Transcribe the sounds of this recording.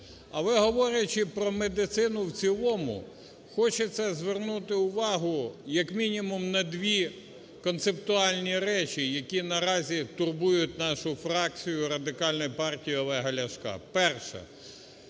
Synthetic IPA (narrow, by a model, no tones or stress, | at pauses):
ɐʋɪɦɔʋɔɾʲjɐt͡ʃɪpɾɔmed̪ɪt̪sɪnʊwt͡sʲilˠɔmʊ̰ | xɔt͡ʃɛt̪sɛzʋernut̪ɪʊʋɑɦʊjɐkmʲinʲimʊmnɐd̪ʲʋʲi | kɔnt̪sept̪ʊɑlʲnʲiɾɛt͡ʃʲijɐkʲinɐɾɑzʲit̪ʊrbujʊtʲnɑʃʊfɾɑk̚t͡sʲijʊɾɐd̪ɪkɑlʲnɔjpɑrtʲijiɔlˠɛɦɐlʲɐʃkɑ̰pɛrʃɛ̰